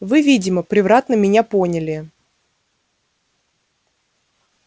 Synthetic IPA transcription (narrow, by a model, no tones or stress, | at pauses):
vɨvʲidʲɪməpɾʲɪvɾat̪nəmʲɪnʲaponʲɪlʲɪ